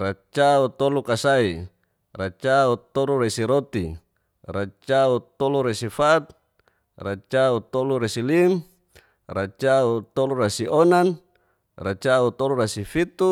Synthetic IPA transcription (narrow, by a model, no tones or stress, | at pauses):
rat͡ʃaut̪olukasai | rat͡ʃaut̪oluɾesiɾot̪i | rat͡ʃaut̪oluɾesifat̪̚ | rat͡ʃaut̪oluɾesilim | rat͡ʃaut̪oluɾasionan | rat͡ʃaut̪oluɾasifit̪u